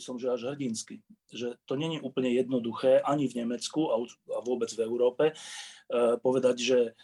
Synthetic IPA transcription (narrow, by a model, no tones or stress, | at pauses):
sɔmʒɛaʒɦr̩ɟinski | ʒɛt̪ɔɲɛɲiʔuːpl̩ɲɛjɛd̪nɔd̪uxɛːʔaɲivɲɛmɛt͡skuauaʋʊɔbɛd͡zvɛʊɾɔːpɛ | pɔʋɛd̪aɟʒɛ